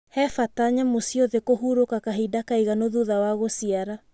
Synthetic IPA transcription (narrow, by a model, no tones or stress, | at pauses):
hɛfataɲamosioðekoɦuɾokakaɦidakaiɣanoðuðawaɣosiaɾa